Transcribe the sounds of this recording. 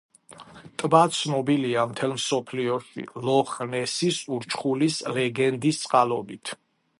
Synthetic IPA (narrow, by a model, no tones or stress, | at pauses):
t̪ʼbat̪sʰnɔbiliamt̪ʰɛlmsɔpʰliɔʃḭlɔχnɛsisuɾt͡ʃʰχulislɛɡɛnd̪ist̪sʼqʼalɔbit̪ʰ